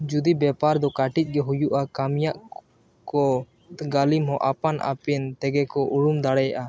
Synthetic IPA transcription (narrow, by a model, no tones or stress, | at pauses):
d͡ʒud̪ibɛpaɾd̪ɔkaʈic̪̚ˀɡɛɦujuʔakamjaʔ | kɔ | ɡalimɦɔ̃ʔapanʔa̰pɛnt̪ɛɡɛkɔʔuɽumd̪aɽɛjaʔa